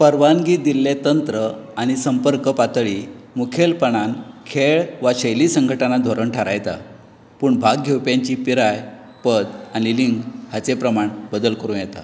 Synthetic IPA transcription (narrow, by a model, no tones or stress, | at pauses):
pəɾʋanɡiːt̪̚d̪ilːet̪ənt̪ɾəaɽ̃isəmpəɾkəpat̪ɭimukʰelpəɳ̃ankʰeɭʋaɕəjlisəŋɡʱəʈanad̪ʱoɾəɳʈʰaɾajt̪a̰ | puːɳbʱaɡːewpjãɲt͡ɕipiɾaj | pəd̪aniliŋɡɦat͡sepɾəmaɳbəd̪əlkəɾũːjɛt̪a̰